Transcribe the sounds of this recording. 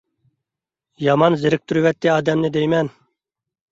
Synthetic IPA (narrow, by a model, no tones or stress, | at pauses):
jɑmɑnzɪɾɪk̚t̪ʰuɾuwɛt̪ːɪɑːd̪ɛmnɪd̪ɛjmɛn